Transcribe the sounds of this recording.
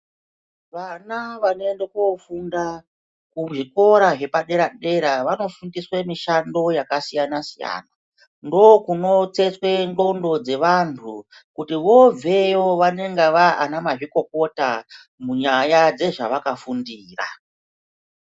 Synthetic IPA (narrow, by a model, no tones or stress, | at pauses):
ʋanaʋanoendekufunda | kuʐiko̞ɾaʐe̞paɗe̞ɾaɗe̞ɾaʋano̞fundiswe̞miʃando̞jakasijanasija̰ːna | ndo̞kuno̞t͡se̞t͡swe̞ndo̞ndo̞d͡ze̞ʋantʰu | kutiʋo̞ve̞joʋane̞ŋɡaʋaanamaʐiko̞ko̞ta | muɲajad͡ze̞ʐa̰ʋakafundiːra̰